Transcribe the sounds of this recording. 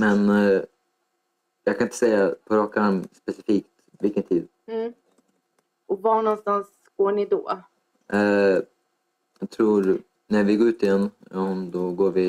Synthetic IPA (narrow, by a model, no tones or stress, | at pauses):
mɛn | jɑːkʰanɪnt̪ə̥sɛjːapʰɔɾɑːkamspɛsɪfiːkt̪ | vɪlkənt̪ʰiːd̪̩ | ɔvanɔnst̪ans | ɡ̥oːɳɪd̪oː | ɛ | jɑɡ̚t̪ʰɾuːɾ | næɾvɪɡoːɾʉːt̪ɪjɛnː | md̪ɔɡoːɾvɪ